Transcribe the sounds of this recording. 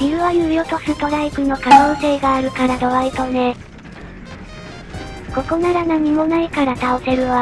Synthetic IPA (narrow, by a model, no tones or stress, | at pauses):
iɾɯ̟βajɯ̟ːjo̞t̪o̞sɨt̪o̞ɾaibɯ̟no̞kano̞ːse̞ːɡaːɾɯ̟kaɾad̪o̞βait̪o̞ne̞ | ko̞ko̞naɾanaɲ̟imo̞naikaɾat̪ao̞t̪e̞ɾɯ̟βa